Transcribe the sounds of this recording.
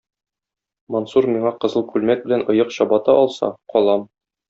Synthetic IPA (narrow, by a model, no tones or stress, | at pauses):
monsuɾmiɴɑqɤ̆zɤlˠkʉlmæk̚bɘ̆lænŏjɤqɕɒbɑt̪ɑʔɒlˠsɑ̰qɒlˠɑm